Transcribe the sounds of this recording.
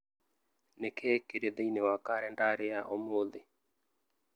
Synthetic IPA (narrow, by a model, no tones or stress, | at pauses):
nekʰɛːkeɾed̪ɛinewakaɾɛndaɾeaʔɔmoðe